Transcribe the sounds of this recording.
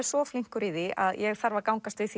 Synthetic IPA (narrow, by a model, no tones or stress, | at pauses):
ɛɾ̥svɔfliŋ̥kʏɾiðiʔa̰ðjɛɣθaɾvakawŋkast̪vɪθi